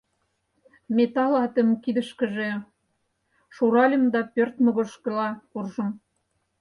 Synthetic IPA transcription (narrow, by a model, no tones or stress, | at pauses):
met̪ɑlɑt̪ə̆mkid̪ə̆ʃkə̆ʒe | ʃuɾɑlʲə̆md̪ɑpørt̪mŏɣŏʃkə̆lɑkurʒɤ̆m